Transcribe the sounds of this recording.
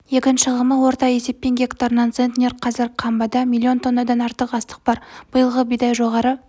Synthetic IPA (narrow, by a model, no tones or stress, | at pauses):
je̞kʲɪnʃɪʁəməwo̞ɾt̪ɑje̞se̞pːe̞nɡʲe̞kt̪aɾənɑnsent̪nʲeɾqʰɑzɪɾqʰɑmbɑd̪ɑmʲilʲˠːio̞nt̪ʰo̞nːɑd̪ɑnɑɾt̪əqɑst̪ə̥q̚b̥ɑɾb̥ʊjəlˠʁəbijd̪ɑjʒo̞ʁɑɾə